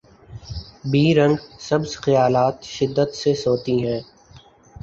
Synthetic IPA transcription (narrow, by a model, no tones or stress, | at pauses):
biːɾə̃ŋɡsəbzxɪjaːlaːt̪ʃɪd̪ːət̪sesoːt̪iɦɛ̃ː